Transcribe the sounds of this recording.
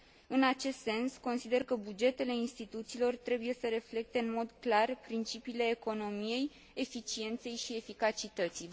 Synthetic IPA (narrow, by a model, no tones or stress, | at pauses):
ɨnat͡ʃe̞st̪se̞nsko̞nsid̪e̞rkəbud͡ʒe̞t̪e̞le̞inst̪it̪ut̪siːlo̞rt̪ɾe̞buje̞səɾe̞fle̞k̚t̪e̞ɨnmo̞d̪klarpɾint͡ʃipiːle̞ːko̞no̞mije̞j | efit͡ʃie̞nt̪se̞jʃie̞fikat͡ʃit̪ət̪si